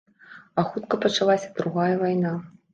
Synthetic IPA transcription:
axut̪kɐpɐt͡ʂalˠasʲɐ̥d̪ɾuɣajɐvajna

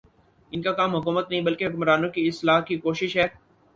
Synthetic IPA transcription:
ɪnkakaːmɦʊkuːmət̪nɐɦĩbɐlkeɦʊkmɾaːnõkiɪslaːɦkikoːʃɪʃɦɛː

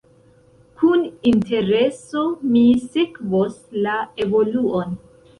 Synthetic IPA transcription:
kuninte̞ɾeso̞misikvoslae̞vo̞luon

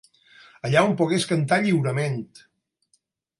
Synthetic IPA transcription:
əʎaompuɣeskənt̪̬aʎiwɾəment̪

